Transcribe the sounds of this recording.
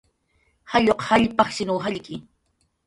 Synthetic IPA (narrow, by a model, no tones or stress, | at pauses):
haʎoqhaʎpɑχʃɪnuːɦaʎkɪ